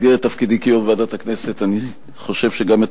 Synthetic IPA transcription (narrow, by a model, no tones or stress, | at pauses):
diet̪ːafkid̪ikijomveadathakne̞se̞t̪ani | χo̞ʃe̞v̥ʃeɡamet